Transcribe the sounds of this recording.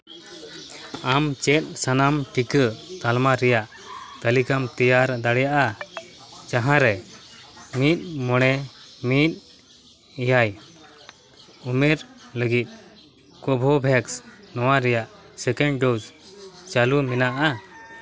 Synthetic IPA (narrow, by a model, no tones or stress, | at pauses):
amt͡ʃɛt̪̚ˀsanamʈikət̪almaɾɛjaʔ | t̪əlikamt̪ɛjaɾd̪aɽɛjaʔa | t͡ʃaɦãɾɛ | mit̪̚ˀmɔɽ̃ɛmit̪̚ˀ | ijaj | umɛɾləɡit̪̚ˀ | kɔbʱɔbʱɛksnɔwaɾɛjaʔsɛkɛ̃ɳɖɖost͡ʃalumɛnaʔa